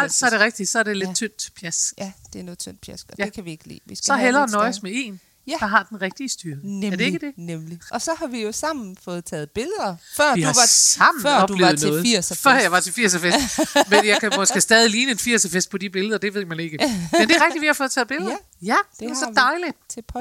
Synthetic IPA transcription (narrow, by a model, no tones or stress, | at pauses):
æl̰d̥sɒ̽æɐɾ̥e̝ʁɛɡ̥̚d̥isɒæɐdele̝̥t͡sʰøn̰d̥pʰjæsd̥e̝nɔːð̩ˠt͡sʰøn̰d̥̚pʰjæsdjæekʰæʋieɡ̥lḭːesɒɦelɐːnɒ̽ɪsmee̝̰ːn | d̥ɑ̈ɦɑ̈d̥enʁɛɡ̥̚d̥iːsd̥yːɐɐd̥e̝e̝ɡ̥əd̥e̝nemliɒsɒ̽hɑ̈ʋijo̝sɑ̈m̰n̩fɔ̽ːð̞̩ˠt͡sʰɛ̰ːð̞̩ˠb̥e̝lð̩ˠɐfɶɐ̰ihɑɑ̈m̰n̩ɶ̰ɒ̽bd̥lḛʊð̩ˠneɔːð̩ˠiɐ̰sfɶɐ̰jɑ̈ɪʋɑ̈t͡sʰe̝lfiɐ̰səfesmenjɑ̈ɪkʰæmɒ̽sɡ̥əsd̥ɛːð̞ˠiliːnəe̝nfiɐ̰səfesd̥̚pʰɒ̽d̥ib̥e̝ləðˠɐd̥e̝ʋð̰ˠmæne̝ɡ̥əmend̥e̝ɐʁɛɡ̥d̥iʋihɑfɔ̽ð̩ˠt͡sʰɛːð̩ˠbe̝ləð̩ˠ | jæd̥esɒ̽d̥ɑɪlid̥ʰepʰ